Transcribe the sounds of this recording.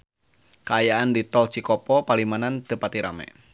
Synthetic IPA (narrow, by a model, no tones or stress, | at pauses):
kaːjaandit̪ɔlt͡ʃikɔpɔpalimanant̪əpat̪iɾa̰mɛ̰